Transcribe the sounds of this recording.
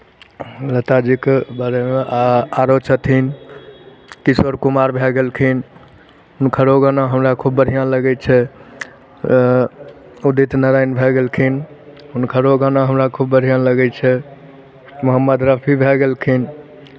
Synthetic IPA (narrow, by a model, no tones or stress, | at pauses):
lət̪ad͡ʒikbaɾɛmeaɾot͡ʃət̪ʰin | kiswəɾkumaɾbʱɛɡelkʰin | ɦunkʰəɾoɡənaɦəmɾakʰubːəɾ̤ʱijãləɡɛt͡ʃʰɛ | ud̪it̪nəɾajnbʱɛɡelkʰin | ɦunkʰəɾoɡənaɦəmɾakʰubːəɾijaləɡɛt͡ʃʰɛ | məɦəmːəd̪ɾəpʰibʱɛɡelkʰin